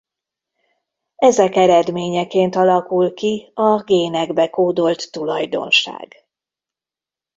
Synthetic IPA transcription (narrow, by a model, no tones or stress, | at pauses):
ɛzɛkɛɾɛd̪meːɲɛkeːnt̪ɒlɒkulkiɒɡeːnɛɡbɛkoːd̪o̞lt̪ːulɒjd̪o̞̰nʃa̰ːɡ̥